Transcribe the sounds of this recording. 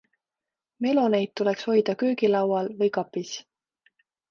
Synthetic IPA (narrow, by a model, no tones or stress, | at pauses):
me̞lo̞ne̞jd̪̚t̪ːule̞ksho̞jd̪̥ɑkøːɡilɑwɑlvɤjkɑpːis